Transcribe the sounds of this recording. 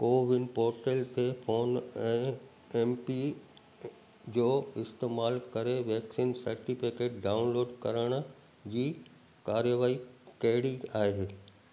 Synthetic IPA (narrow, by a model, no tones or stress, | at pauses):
koːʋɪnpoːɾʈəlt̪ʰefʰoːnɛ̃ː | ɛːmpi | d͡ʑoːɪst̪eːmaːlkɐɾeʋɛːksiːnsɐɾʈɪfɪkeːʈ̚ɖaːʊnloːɖkɐɾəɽ̃̆ | d͡ʑiː | kaːɾjəʋaːi | kɐɦɽiaːɦeː